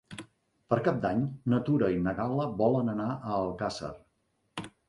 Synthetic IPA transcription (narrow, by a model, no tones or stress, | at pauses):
pəɾkap̚d̪aɲnət̪uɾəinəɣaləβɔlənənaʔəːlˠkasə̰r